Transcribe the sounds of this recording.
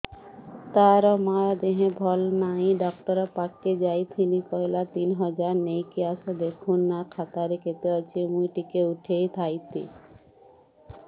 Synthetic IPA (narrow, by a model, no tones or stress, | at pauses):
t̪aɾɔmaɾad̪eɦẽbʱɔlnajɖɔk̚ʈɔɾapakːed͡ʑajt̪ʰinikɔjlat̪inɦɔd͡ʑaɾnejkiaʃad̪ekʰunːakʰat̪aɾeket̪eat͡ɕʰemujʈikeuʈʰejt̪ʰajt̪ḭ